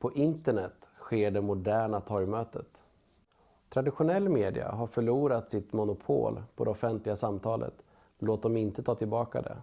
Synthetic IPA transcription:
pʰɔʔɪnt̪əɳɛt̪ɧeːɖɛmʊɖæːɳat̪ʰɔɾjmøːt̪ət̪ | t̪ʰɾad̪ɪɧʊnɛlːmeːd̪ɪ̰a̰ɦaɾfœɭuːɾat̪sɪt̪mʊnʊpʰo̰ːlpʰɔd̪ɛɔfɛnt̪lɪɡasamːt̪ʰɑːlʔə̰t̪ | loːt̪̚d̪ɔmɪnt̪ət̪ʰɑːt̪ʰɪlbɑːka̰d̪ɛ̰

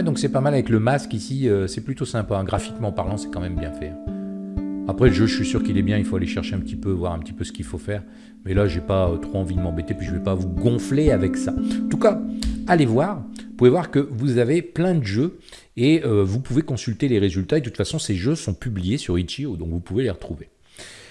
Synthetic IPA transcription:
ɛd̪ɔ̃ksɛpamalavɛkləmaskisiøsɛplyt̪osɛ̃paɛ̃ɡʁafi̥kmɑ̃paʁlɑ̃sɛ̥kɑ̃mɛmbjɛ̃fɛɛ̃ | apχɛləʒøʒəʃɥisyʁkilɛbjɛ̃ilfoaleʃɛʁʃeɛ̃pət̪ipøvwaʁɛ̃pət̪ipøsə̥kilfofɛːʁ | mɛlaʒepat̪χoɑ̃vid̪əmɑ̃bet̪epɥiʒəvɛpavuɡɔ̃fleavɛksaɑ̃t̪ukaalevwaːʁpuvevwaʁkəvuzaveplɛ̃d̪əʒø | eøvupuvekɔ̃sylt̪eleʁezylt̪aed̪ət̪ut̪fasɔ̃seʒøsɔ̃pyblijesyʁit͡ʃiod̪ɔ̃kvupuveleʁət̪χuve

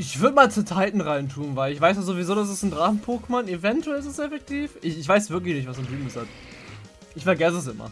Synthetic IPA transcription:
ʔɪçv̥ʏɐdəmaːlt͡suːtʰaɪtn̩ʁaɪntʰuːnvaɪlɪçv̥aɪs̬jaz̥ovizoːdas̬ɛsn̩dʁaːχn̩pʰoːkmanevɛntuɛlɪs̬ɪsɛfɛk̚tʰiːfʔɪçɪçv̥aɪsv̥ɪɐk̬lɪçnɪçtv̥asantʰyːm̩əshat | ʔɪçfɛɐɡɛs̬əɛs̬ɪmɐ̰

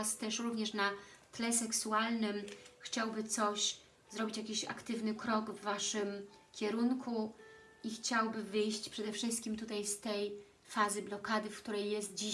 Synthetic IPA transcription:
st̪ɛʂɾuvɲɛʂnat̪lɛsɛksualnɘmxt͡ɕawbɘt̪sɔɕ | zɾɔbʲit͡ɕjakʲiɕa̰kt̪ɘvnɘkɾɔɡvːaʂɘmkʲɛɾunkʰu | ixt͡ɕawbɘvɘjɕt͡ɕpʂɛd̪ɛfʂɘst̪̚kʲimt̪ut̪ajst̪ɛj | fazɘblɔkad̪ɘfkt̪uɾɛjːɛst̪̚d͡ʑi

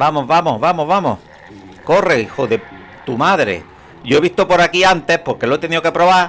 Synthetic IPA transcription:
bamo̞ɦβamoɦβamoβamoh | ko̞reixoðe̞ | t̪umaðɾe̞̰ | ʝo̞e̞βiht̪o̞po̞ɾakiant̪e̞hpo̞ɾke̞loet̪e̞nio̞ke̞pɾo̞βa

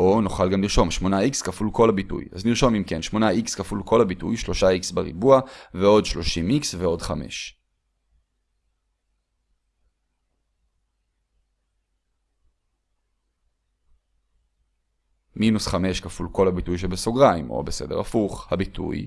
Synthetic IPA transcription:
ʔonoχalɡamliʁʃo̞mʃmo̞naikskafulko̞lhabitṵja̰zniʁʃo̞mimke̞nʃmo̞naikskafulkʰo̞lhabitṵjʃlo̞ʃaiksbeʁḭbuaveo̞dʃlo̞ʃimiksveo̞dχame̞̰ʃ | minusχame̞ʃkafulko̞lhabitujʃ̬ebeso̞ɡʁaimo̞̰bese̞̰de̞ʁa̰fuχhabitṵj

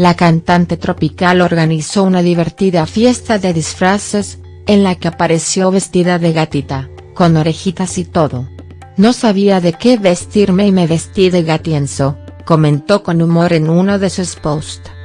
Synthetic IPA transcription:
lakant̪ant̪e̞t̪ɾo̞pikaloɾɣaniso̞unaðiβe̞ɾt̪iðafje̞st̪aðe̞ðisfɾases | enlakeapaɾe̞sjo̞βe̞st̪iðaðe̞ɣat̪it̪a | ko̞no̞ɾe̞xit̪asit̪o̞ðo | no̞saβiaðe̞keβe̞st̪iɾmemeβe̞st̪iðeɣat̪jensoko̞mẽ̞nt̪o̞ko̞numo̞ɾe̞nunoðesuespost̪

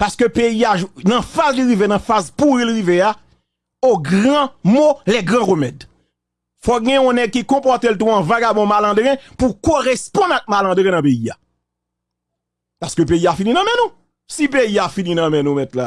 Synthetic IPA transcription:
paskøpeiaʒnɐ̃fazliʁivenɐ̃fazpuʁilɣivea | oɡʁãmolɛɡʁãʁømɛd̪ | fɔɡɛ̃ɔ̃nɛɡ̚kikɔ̃pɔt̪elt̪̬ũãvaɡabɔ̃malãd̪ʁɛ̃pukoʁespɔ̃nak̚malɐ̃d̪ʁɛ̃nɐ̃pejia̰ | paskøpejiafininɐ̃mɛ̃nũ | sip̬eiafininɐ̃mɛ̃nũmɛt̪la̰

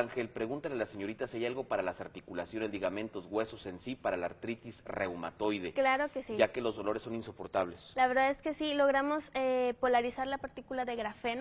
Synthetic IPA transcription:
aŋxelpɾe̞ɣunt̪alealaseɲo̞ɾit̪asiajalɣo̞paɾalasaɾt̪ikulasjo̞nezd̪iɣamẽ̞nt̪o̞zɣwe̞so̞se̞nsipaɾala̰ɾt̪ɾit̪isrewma̰t̪o̞jðe̞klaɾo̞kesiʝake̞lo̞zðo̞lo̞ɾe̞sːo̞ninso̞po̞ɾt̪aβ̞le̞slaβe̞ɾðaðe̞ske̞silo̞ɣ̞ɾamo̞sepo̞laɾisaɾlapaɾt̪ikulaðe̞ɣɾafen

